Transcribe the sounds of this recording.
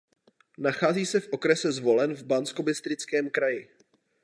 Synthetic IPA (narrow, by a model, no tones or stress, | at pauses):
naxaːziːsɛfʔo̞kɾɛsɛzvo̞lɛnvbansko̞bɪst̪ɾɪt͡skɛːmkɾajɪ